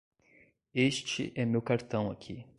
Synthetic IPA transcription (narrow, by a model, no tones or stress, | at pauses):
eʃt͡ʃɪ̰ʔɛmewkaɾt̪ɐ̃w̃akʲʰi